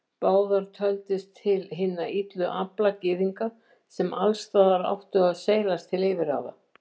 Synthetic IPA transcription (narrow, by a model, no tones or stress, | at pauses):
paːwðaɾ̥t̪ʰœlt̪ɪst̪ʰɪlɦɪnːait̪lʏʔaplacɪːðiŋka | sɛmʔalst̪aːðaɾa̰wht̪ʏɣaðseːjlast̪ʰɪlejvɪɾa̰ːwða